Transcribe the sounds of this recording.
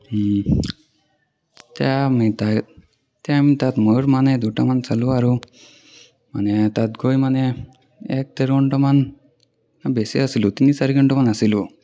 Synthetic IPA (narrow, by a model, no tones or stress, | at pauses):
t̪jamit̪a | t̪jamit̪at̪məɾmaned̪ʱuʈamant͡saluaɾu | manet̪at̪ɡojmane | ek̚t̪eɾoɳʈəman | nabesiasilut̪inisaɾiɡəɳʈəmanasilu